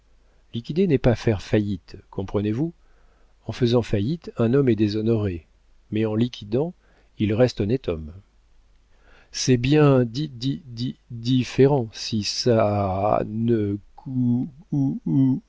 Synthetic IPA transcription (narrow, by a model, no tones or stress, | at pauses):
likʲid̪enɛpafɛʁfajit̪kʰɔ̃pχənevu | ɑ̃fəzɑ̃fajit̪ɛ̃nɔmɛd̪ezɔnɔʁe | mɛɑ̃likʲʰid̪ɑ̃ | ilʁɛst̪ɔnɛt̪ʰɔm | sɛbjɛ̃d̪id̪id̪id̪ifeʁɑ̃sisa | nəku